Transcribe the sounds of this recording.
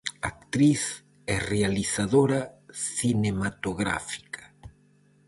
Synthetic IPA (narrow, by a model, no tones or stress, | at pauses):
a̰k̚t̪ɾiθ | ɛrealiθaðoɾasinemat̪oɣɾa̰fi̥kḁ